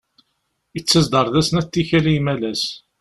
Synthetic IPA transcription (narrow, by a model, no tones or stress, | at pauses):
it͡sːəzd̪əɾˤðæsənæt̪ːiçælijmælæs